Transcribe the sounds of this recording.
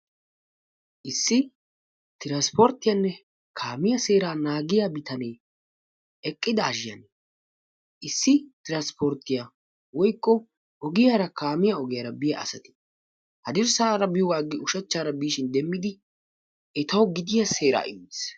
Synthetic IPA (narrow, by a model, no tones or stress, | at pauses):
ʔɪsːɪ | t̪ɪɾanspɔɾt̪ːɪjanːɛ | kʰaːmɪjɐse̞ːɾaːnaːɡɪjabɪt̪ɐneː | ɛkʼːɪd̪ɐːʒɪjɐ̰n | ʔɪsːɪt̪ɪɾanspɔɾt̪ːɪja | wɔjkːɔ | ʔɔɡɪjaːɾɐkaːmɪjaɔɡɪjɐɾɐbɪjɐ̰ɐ̰sɐt̪ɪ̥ | hɐd̪ɪɾsaːɾɐbɪjɔwaːɡːɪʊʃɛt͡ʃːaːɾɐbiːʃɪnd̪ɛmːɪd̪ɪ | ɛt̪ɐwɡɪd̪ɪjɐse̞ːɾa̰ːʔɪ̰ms